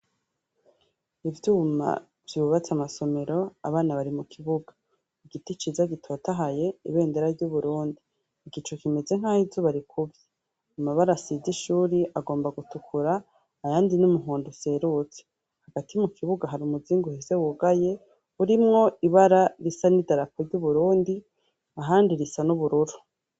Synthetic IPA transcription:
ivjuːma̰ | v̥juːβat͡samaso̞me̞ɾo̞aβaːnaβaɾimukʰiβuɡḁ | iɡitit͡ʃizaɡitʰo̞ːtaɦaje̞ḭβe̞ːnde̞ɾavɟuβuɾuːndiː | ɡit͡ʃukime̞ze̞ŋ̥haːhivzoβaɾikʰuvje̥ | amaβaɾasiziʃuːɾiʔaɡo̞ːmbaɡutukʰuɾaː | jaːndinumuɦuːnduse̞ɾut͡se̥ | haɡ̥atimukiβuɡaɦaɾiumuziːŋɡuhese̞wuɡaje̞ | uɾimŋo̞iβaɾaɾisanidaɾapʰoɾɟuβuɾuːndi | aɦaːndiɾisanuβuɾuɾu̥

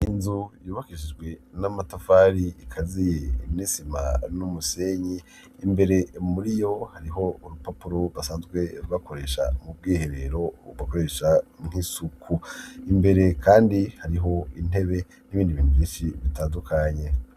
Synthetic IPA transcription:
inzujuːβakiʃid͡ʒɡwe̞namatafaɾiikʰazijemnisima̰numuse̞ɲiː | mbe̞ɾe̞muɾijo̞haɾiɦo̞uɾupapuɾoβasaːnzɡwe̞ɾuβako̞ɾe̞ʃa̰mub̚ɡiːhe̞ɾeɾo̞βako̞ɾe̞ʃaŋ̥hisukʰuimbe̞ɾe̞kʰaːndihaɾiɦo̞in̥e̞βe̞ | n̥iβiːndiβiːnduβiːnʃiβitaːndukʰaɲe̞

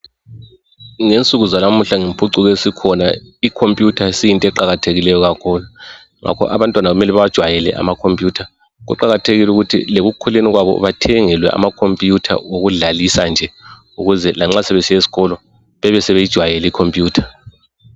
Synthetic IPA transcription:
ŋent͡sʼuɣuzalamuɬaŋempʰʼuǀuɣesikʰɔnaikʰompʼjutʰasijintʼɛǃaɣatʰeɣilɛjɔɣakʰulu | ŋa̰kʰɔ̰ʔa̰βantʼwanaɣumɛlɛβad̥ʒ̥ʱwajɛlɛ̰ʔa̰makʰompʼjuːtʰa | ɣṵǃaɣatʰeɣiluɣutʰḭleɣukʰuleniɣwaβɔ̰βatʰɛŋɛlwɛ̰ʔa̰makʰompʼjutʰa̰oɣuɮalisand͡ʒʱɛ | uɣuzɛlaŋ͡ǁasɛβesijesi̥ɣɔlɔ | βɛβɛsɛβejid̥ʒ̥ʱwajɛlikʰompʼjuːtʰḁ

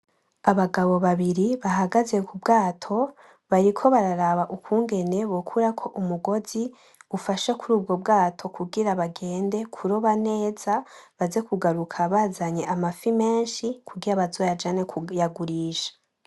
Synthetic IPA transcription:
aβaɡaβo̞βaβiɾiβaɦaɡaze̞kubɡaːtʰo̞ | βaɾikʰo̞βaɾaɾaβaʔukwuːŋɡe̞ne̞βokʰuɾakʰo̞ʔumuɡo̞zi | ufaʃakuɾuːbɡo̞bɡaːtʰo̞kuɡiɾaβaɡe̞ːnde̞kʰuɾoβane̞ːz̥aβaze̞kuɡaɾukʰaβaːzaɲe̞ʔamafime̞ːnʃikuɡiɾaβazo̞ːjad͡ʒane̞kujaɡuɾiːʃḁ

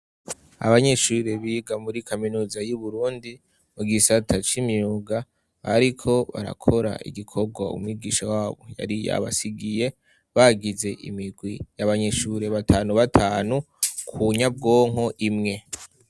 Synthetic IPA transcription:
a̰βaɲe̞ʃuɾe̞βiːɡamuɾikʰaminuːzajuβuɾuːndi | muɡisatʰat͡ʃimɲiuɡa | βaɾikʰo̞βa̰ɾa̰kʰo̞ɾa̰ʔḭɡikʰo̞ɡwaṵmwiɡiːʃawaːβo̞̰ja̰ɾija̰βa̰siɡije̞ | βaɡize̞ʔḭmiɡwijaβaɲe̞ʃuɾe̞βatʰaːnuβatʰaːnu | kʰuɲab̚ɡo̞ːŋ̥o̞ʔimŋe̞

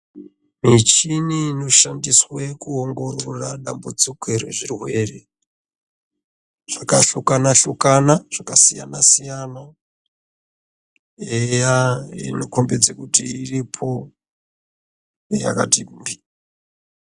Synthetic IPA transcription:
mit͡ʃinino̞ʃandiswekuoŋɡo̞roraɗambud͡zikeɾe̞̰ʐirwe̞ːre̞ | ʐ̥akaɬukanaɬukanaʐ̥akasija̰nasijana | ejaenokombe̞d͡zekutiːripʰo̞ | eja̰ka̰timbi

